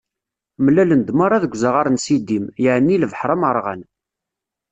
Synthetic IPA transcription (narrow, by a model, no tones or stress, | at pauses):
mlælənd̪maɾˤɑðəɡʷzəʁaɾˤnsid̪imjəʕnːiləvħɾˤəməɾˤʁə̰n